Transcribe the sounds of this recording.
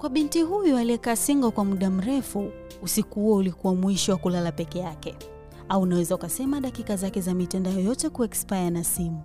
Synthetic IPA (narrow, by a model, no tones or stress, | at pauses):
kwaɓintiɦujɔaliɛkaːsiŋɡɔkwamuɗam̩ɾɛfuː | sikuaulikuwamwiʃɔwakulalapɛkɛjakɛ | aunawɛzaukasɛmaɗakikazakɛzamitandajɔjɔtɛkuɛkspajanasimu